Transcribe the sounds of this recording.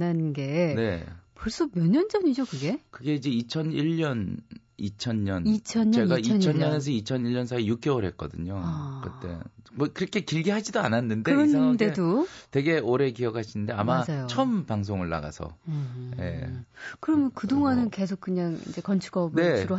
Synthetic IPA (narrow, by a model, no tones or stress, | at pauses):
nanɡe̞ne̞poɭs͈ʌmjʌɲʌnd͡ʑʌɲid͡ʑokɯɡe̞kɯɡe̞id͡ʑe̞it͡ɕʰʌniʎːʌn | it͡ɕʰʌɲɲʌnit͡ɕʰʌɲːeɡat͡ɕiʌt͡ɕʰʌɲɲʌne̞s̬ʰʌit͡ɕʰʌniɭːʌnsʰaijuk̚k͈e̞oɾɦet̚k͈ʌ̰dɯɲokɯt͈e̞̰mʌkɯɾʌkʰe̞kiɭɡiɦad͡ʑidoa̰nanːɯndeɯɾʌnde̞dotwe̞ɡe̞oɾe̞kiʌkʰaɕʰinɯnde̞amad͡ʑajot͡ɕʰʌmpaŋs̬ʰoŋɯɭːa̰ɡa̰sʰʌ̰je̞̰kɯɾʌmjʌnkɯdoŋɦanɯnke̞s̬ʰok̚kɯɲaŋḭnd͡ʑe̞kʌnt͡ɕʰuɡʌbne̞ɯɾo